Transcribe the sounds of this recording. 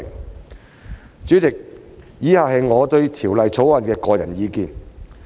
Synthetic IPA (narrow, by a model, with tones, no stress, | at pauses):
ŋ | t͡syː˨˥t͡sɪ˨k̚ | jiː˨˥haː˨˩ɦɐ˨jŋɔː˨˧t̪ɵ˧ɥt̪ʰiː˨˩wlɐ˨jt͡sʰo˨˥wwɐ˨nkɛː˧kɔː˧jɐ˨˩njiː˨˧kiː˧n